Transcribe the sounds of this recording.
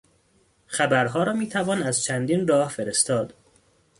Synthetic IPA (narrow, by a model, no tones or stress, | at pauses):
xæbæɾɦɒːɾɒːmiːt̪ʰævɒːnæzt͡ʃʰænd̪iːnrɒːhfeɾest̪ɒːd̪̥